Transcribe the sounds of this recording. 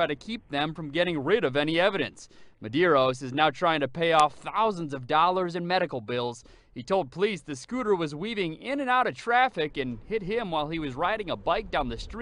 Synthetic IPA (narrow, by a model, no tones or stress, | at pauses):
ɹaɪɾɨkʰip̚ðɨ̃ɱfɹʌ̃mɡɛɾɪ̃ŋɹɪɾʌvɛñiɛvɨɾɨ̰̃nsmɨdɪɹoʊsɨznaʊtʰɹ̥aɪɪ̃ŋtɨpʰeɪɔfθaʊzə̃n̩zʌvdɔlˠə˞zɨ̃nmɛɾɨkl̩ˠbɪlˠz̥ | hitʰoʊlˠd̚pʰəlizðɨskʉɾə˞wʌzwivɪ̃ŋɪ̃nɨ̃naʊɾʌtʰɹ̥æfɪkɨ̃nhɪt̚ɦɪ̃mwaɪlˠiwʌzɹaɪɾɪ̃ŋəbaɪk̚d̥ãʊ̃nðɨstɹ̥i